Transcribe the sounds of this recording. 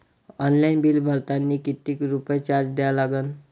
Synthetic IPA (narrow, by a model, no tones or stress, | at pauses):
ɔnlainbiːlbʱəɾt̪anːiːkit̪iːkɾupəjt͡ɕaɾd͡ʑd̪ejalaɡən